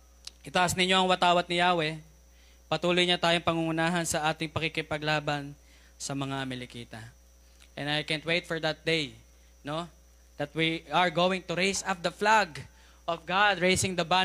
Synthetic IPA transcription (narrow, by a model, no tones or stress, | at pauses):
ʔɪt̪aʔɐsnɪɲːo̞ʔɐŋwɐt̪aːwɐt̪nɪjaːwɛ | pɐt̪uːlojɲɐt̪aːjoŋpɐŋʊŋʊnaːɦɐnsɐʔaːt̪ɪŋpɐkikɪpɐɡlaːbɐn | sɐmɐŋamɪlɪkiːt̪ɐ | ʔɛ̃nɐjkɛ̃nwejt̪̚fɔɹd̪ɐt̪̚d̪ej | no̞ | d̪ɐt̪̚wiɐɹɡowɪ̃ŋt̪ʊɾejsap̚d̪ɐflaɡ | ʔɔvɡad̪ɹejsɪŋd̪ɐba